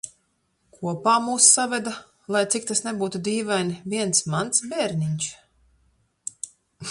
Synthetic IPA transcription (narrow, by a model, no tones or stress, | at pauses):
kʰuɔpaːmuːsːavʲɛd̪a | lˠajt̪sik̚t̪asnebuːt̪ud̪iːvajnvʲiɛnsmant̪sbʲɛːɾnʲiɲt͡ʃ